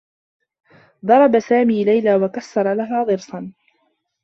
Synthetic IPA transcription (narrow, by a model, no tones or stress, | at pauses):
d̪ˤɑɾˤɑbasaːmiːlajlaːwakasːɑɾˤɑlaɦaːd̪ˤɨɾsɑn